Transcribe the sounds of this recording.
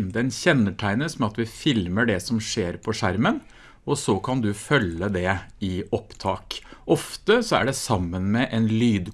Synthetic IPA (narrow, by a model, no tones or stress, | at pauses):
d̪ɛnçɛnːəʈʰæɪnəsmɛɑt̪ʋɪfɪlməɖɛsɔmʂeːɾpʰɔʂæɾmən | ɔsɔkʰɑnd̪ʉfœlːəd̪ɛɪɔpt̪ʰɑːkʔɔft̪əsɔæ̰ɖɛsɑmːənmɛʔɛnlyːd̪